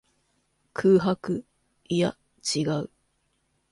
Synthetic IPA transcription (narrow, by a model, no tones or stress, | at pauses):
kʰɯːɦakɯ̟ | ja | t͡ɕiɡaɯ̟